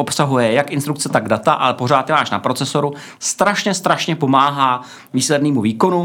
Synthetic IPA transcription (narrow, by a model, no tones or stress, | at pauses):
opsaɦujɛjakʔɪnst̪ɾukt͡sɛt̪aɡdat̪aʔalɛpo̞ɾaːt̪ːɪmaːʃnapɾo̞t͡sɛso̞ɾu | st̪ɾaʃɲɛst̪ɾaʃɲɛpo̞maːɦaː | viːslɛdniːmuviːko̞nu